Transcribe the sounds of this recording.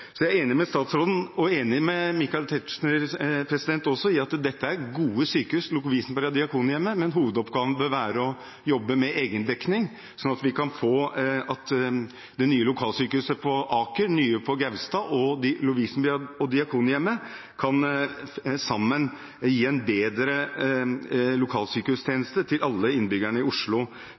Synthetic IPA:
sɔjæeːnɪmɛst̪ɑːt̪sɾoːd̪ən̩ɔeːnɪmɛmɪkːɑlt̪ʰɛt̪ʂnəpʰɾɛsɪd̪ɛnt̪ɔsːɔɪɑt̪d̪ɛt̪ːəæɾɡuːəsyːkəʉslʊkʊʋiːsn̩pɑɾɑd̪ɪɑkʰuːnjɛmːəmɛnɦuːʋəd̪ɔpɡɑːʋənbøɾʋæːɾəɔ | jɔbːəmɛʔeːɡənd̪ɛknɪŋ | sɔnɑt̪ʋɪkɑnfoːɑt̪ | d̪ɛnyːəlʊkʰɑːlsyːkəʉsəpʰɔʔɑːkəɾnyːəpʰɔɡæʋst̪ɑːʔɔlʊʋiːsn̩bɔd̪ɪɑkʰuːnjɛmːə | kʰɑn | sɑmːən | jiːɛnbeːd̪ɾə | lʊkʰɑːlsyːkəhʉst̪ʰjeːnəst̪ət̪ʰɪlɑlːəɪnbʏɡæɳəɪʊʂɭʊ

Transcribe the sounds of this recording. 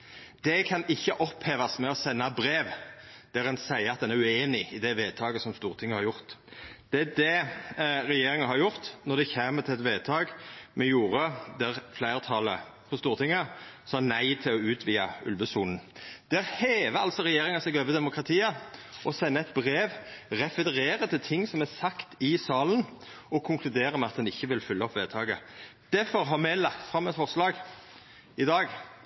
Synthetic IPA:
d̪̥ɛkʰɑnɪçːəʔɔpheːʋɑsmɛɔsɛnːɑbɾeːʋd̪̥ɛʁɛnsæɪəɑt̪̚d̪ɛnæɾʉeːnɪɪd̪ɛʋeːd̪̚t̪ʰɑːɡəsɔmst̪uːʁt̪ʰɪŋːəhɑɾjʊʁt̪d̪̥ɛæd̪ɛ | ɾɛjeːɾɪŋəɑnhɑɾjʊʁt̪nɔʁd̪ɛçeːmət̪ʰɪlɛt̪ʋeːd̪̚t̪ʰɑːɡmɛjuːɾəd̪æʁflæɪʁt̪ʰɑlə | fɔst̪uːʁt̪ʰɪŋːəsɑːnæɪt̪ʰɪlɔʉːt̪ʰʋiːɑʉ̰lʋəsuːnn̩d̪̥æʁheːʋəɑ̰lsɔʁɛjeːɾɪŋɑsɛɡøːʋəd̪ɛmʊkɾɑt̪ʰiːəʔɔsɛnːəɛt̪̚bʁeːʋʁɛfəʁeːɾət̪ʰɪlt̪ʰɪŋːsɔmɛsɑkt̪ɪsɑːlən | ɔkʰʊŋkʰlʉd̪eːɾəmɛɑt̪̚d̪ɛnɪçːəʋɪlfʏlːəɔpːʋeːt̪ʰɑːɡəd̪̥æɾfɔɾɦɑmɛlɑkt̪fʁɑmːɛt̪fɔʁslɑːɡ | ɪd̪ɑːɡ

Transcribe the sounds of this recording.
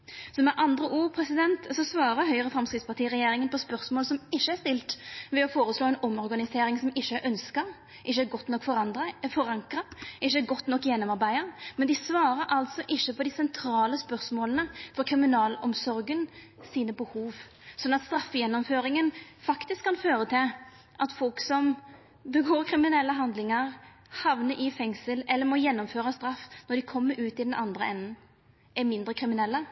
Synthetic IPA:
sɔmɛʔɑnd̪ɾəʔuːɾpʰɾɛsɪd̪ɛnt̪sɔsʋɑːɾəɦœʏəʁəfɾɑmskɾɪd̪spʰɑʁt̪ʰiːɾɛjeːɾɪŋənpʰɔspœɾsmoːlsɔmɪʃːəæʂt̪ɪlt̪ʋɛɔfoːɾəsloːɛɪnɔmɔɾɡɑnɪseːɾɪŋsɔmɪʃːəʔœnskə | ʔɪçːəæɡɔt̪ːnɔkːfɔʁɑfɔɾɑŋkɾɑʔɪçːəæɡɔt̪ːnɔkːjɛnːɔmɑɾbæɪəmɛnd̪ɪsʋɑːɾəɾʔɑlt̪sɔʔɪʃːəpʰɔd̪ɪsɛnt̪ʰɾɑːləspœɾsmoːlənəfɔɾkʰɾɪmɪnɑːlɔmsɔɾɡən | siːnəbəhuːʋ | sɔnːɑt̪st̪ɾɑfːjɛnːɔmføːɾɪŋənfɑkt̪ɪskʰːɑnføːɾət̪ʰɪl | ʔɑt̪fɔlksɔm | bəɡoːɾkʰɾɪmɪnɛlːəɦɑnd̪lɪŋəʁ | hɑʋnəʔɪfɛŋsəlɛlːəɾmɔjɛnːɔmføːɾəst̪ɾɑfːnɔɖ̪ɪkʰɔmːəɾʔʉːt̪ɪd̪ɛnʔɑnd̪ɾəɛnːən | ʔɛmɪnd̪ɾəkʰɾɪmɪnɛlːə

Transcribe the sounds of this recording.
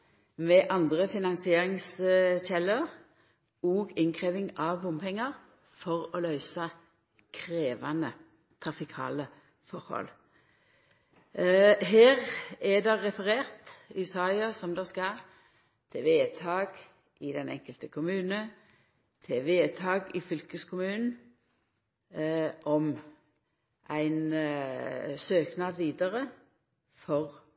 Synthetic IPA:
mɛʔɑnd̪ʁəfɪnɑnsɪeːʁɪŋsçɛləʁ | oːɡɪŋkʰʁeːʋɪŋɑʋbʊmpʰɛŋːəʁ | fɔʁoːlœʏsɑ | kʰʁeːʋɑnə | t̪ʰʁɑfɪkʰɑ̰ːlə | fɔɾhɔ̰l | ɦeːʁɛd̪ɛːɛfəʁeːʁt̪ɪsɑɪɑsɔmd̪ɛskɑ | t̪ʰɪʋeːt̪ʰɑːɡ | ʔɪd̪ɛnɛ̰ŋkəlt̪əkʰʊmʉːnə | t̪ʰɪʋeːt̪ʰɑːɡɪfʏlkəskʰʊmʉːnn̩ | ʔɔm | ʔæɪn | søːknɑːd̪ʋiːd̪əʁə | fɔʁ

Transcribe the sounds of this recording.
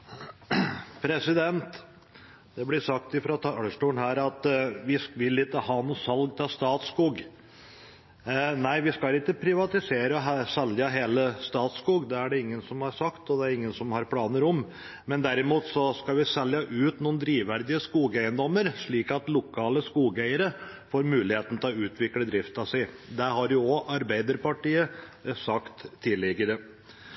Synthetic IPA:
pʰɾɛsɪd̪ɛnt̪ | d̪̥ɛblɪsɑkt̪ɪfɾɑt̪ʰɑləʂʈuːɳɦæːɾɑt̪ʋɪsʋɪlːɪkːəhɑːnuːsɑlɡt̪ʰɑst̪ɑːt̪skuːɡ | næɪʋɪskɑlɪkːəpʰɾɪʋɑt̪ɪseːɾəɦsɛljəɦeːləst̪ɑːt̪skuːɡd̪ɛæɖɛɪŋːənsɔmhɑɾsɑkt̪ɔd̪ɛæɾɪŋːənsɔmhɑɾpʰlɑːnəɾɔm | mɛnd̪æɾɪmuːt̪sɔskɑʋɪsɛljəʔʉːt̪nuːnd̪ɾiːʋæɾd̪ɪəskuːɡæɪənd̪ɔmːəɾʂɭiːkɑt̪lʊkʰɑːləskuːɡæɪəɾə | foːɾmʉːlɪheːt̪n̩t̪ʰɛlɔʉːt̪ʰʋɪkləd̪ɾɪft̪ɑsæɪd̪ɛhɑɾjʊɔʔɑɾbæɪd̪əɾpɑʈiːəsɑkt̪ʰːɪlːɪɡəɾə

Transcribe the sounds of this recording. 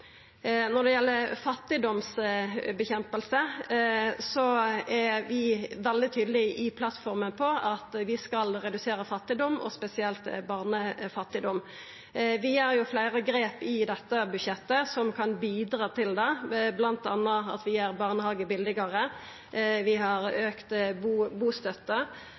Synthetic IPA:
nɔʁd̪ɛjɛlːəɾfɑt̪ːɪd̪ɔmsbɛçɛmpəlsə | sɔæʋɪʋɛld̪ɪt̪ʰyːd̪əlɪʔɪpʰlɑt̪fɔʁmənpʰɔɑt̪ʋɪskɑlɾɛd̪ʉseːɾəfɑt̪ːɪd̪ɔmːɔ̰spɛsɪɛlt̪bɑʁnəfɑt̪ːɪd̪ɔm | ʋɪjæʁjʊflæɪʁəɡɾeːpɪd̪ɛt̪ːəbʉdʃɛt̪ːəsɔmkʰɑnbiːd̪ɾɑːt̪ʰɪld̪ɛblɑnt̪ɑ̰nːəɑ̰t̪ʋɪæʁbɑʁnəhɑɡəbɪld̪ɪɡɑʁə | ʋɪɦɑɾøːkt̪buːbuːst̪œt̪ːə

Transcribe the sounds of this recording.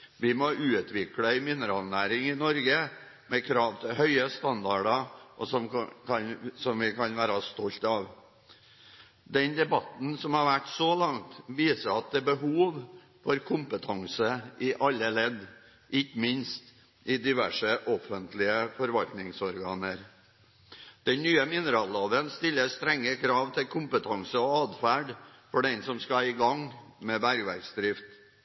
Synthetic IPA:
ʋɪmɔʔʉːt̪ʰʋɪkləɪmɪnəɾɑːlnæːɾɪŋɪnɔɾɡə | mɛkʰɾɑːʋt̪ʰɪhœʏəst̪ɑnd̪ɑɖɑʔɔsɔmkʰɑnsɔmʋɪkʰɑnʋæːɾɑst̪ɔlt̪ɑːʋ | d̪ɛnd̪ɛbɑt̪n̩sɔmhɑɾʋæʈsɔlɑŋt̪ʋiːsəɑt̪̚d̪ɛːbəɦuːʋ | fɔɾkʰʊmpət̪ʰɑŋsəʔɪʔɑlːəlɛd̪ | ʔɪçːmɪnst̪ | ʔɪd̪ɪʋæʂəʔɔfənt̪lɪəfɔɾʋɑlt̪nɪŋsɔɾɡɑːnəɾ | d̪̥ɛnnyːəmɪnəɾɑːlɑːʋənst̪ɪlːəst̪ɾɛŋːəkʰɾɑːʋt̪ʰɪlkʰʊmpət̪ʰɑŋsəɔɑːd̪fæːɖfɔɖɛnsɔmskɑɪɡɑŋmɛbæɾɡʋæɾɡsd̪ɾɪft̪

